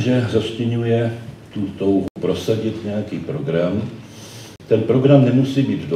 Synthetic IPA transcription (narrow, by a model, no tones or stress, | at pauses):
ʒɛzascɪɲujɛ | t̪ut̪owɦupɾo̞saɟɪt̪ɲɛjakiːpɾo̞ɡɾam | t̪ɛnpɾo̞ɡɾamnɛmusiːbiːt̪do